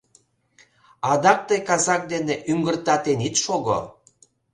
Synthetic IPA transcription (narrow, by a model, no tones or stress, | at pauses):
ɑd̪ɑk̚t̪əjkɑzɑk̚d̪eneʔyŋɡərt̪ɑt̪enit̪ʃoɣo̰